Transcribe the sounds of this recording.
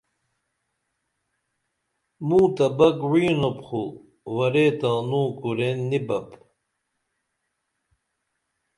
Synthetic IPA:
mũːt̪ɐbɐkwiːnopχu | wɐɾet̪ãnuːkuɾenːibɐp

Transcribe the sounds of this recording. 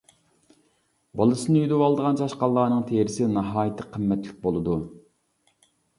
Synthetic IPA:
bɑlˠɨsɨnɨyd̪ɪwɑlˠd̪əʁɑnt͡ʃʰɑʃqɑlˠːɑːnɨŋt̪ʰeɾɪsɪnɑɦɑːjɪt̪ʰɪqʰːəmːɛt̪lɪk̚ʲbolˠɨd̪u

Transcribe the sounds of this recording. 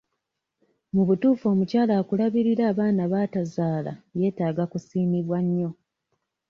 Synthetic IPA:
muβutuːfo̞ːmucaːlaːkulaβiɾiɾaːβaːnaβaːtazaːla̰je̞ːtaːɡakusiːmiβwaɲːo̞

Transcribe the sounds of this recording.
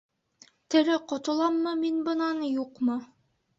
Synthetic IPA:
t̪ɘ̆ɾɘqŏt̪ɤ̆lˠɑmːɤminbɤ̆nɑnjuqmɤ

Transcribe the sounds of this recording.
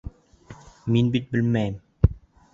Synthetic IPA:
minbit̪̚bɘ̆lmæjm

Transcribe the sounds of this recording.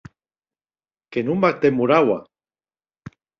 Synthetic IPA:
kenumbak̚t̪emuɾawa̰

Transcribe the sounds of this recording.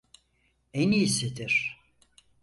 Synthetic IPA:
eniːsed̪iɾ̥

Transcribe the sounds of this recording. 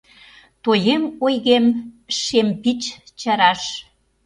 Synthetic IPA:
t̪ojemojɣemʃempit͡ɕ | t͡ɕɑɾɑʃ

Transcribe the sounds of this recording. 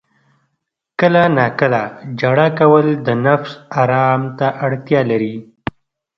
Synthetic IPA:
kəlanɑkəlad͡ʒaɽakawəld̪ənafsaɾɑmt̪aʔaɽt̪jɑlaɾi

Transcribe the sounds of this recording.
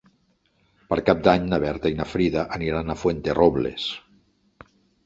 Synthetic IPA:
pəɾkap̚d̪aɲnaβɛɾt̪ainafɾiðaʔaniɾanafwent̪d̪erʔɔβlḛs

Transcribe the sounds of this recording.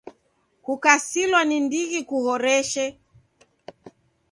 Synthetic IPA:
kukasilwanindiɣikuhɔɾɛʃɛ

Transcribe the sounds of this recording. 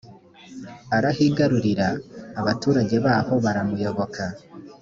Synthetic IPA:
aɾahiɡaɾuɾiɾaːβatuːɾaɟe̞βaːho̞βaɾamujo̞βo̞ka

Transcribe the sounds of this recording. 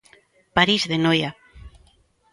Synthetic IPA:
paɾizðenoja

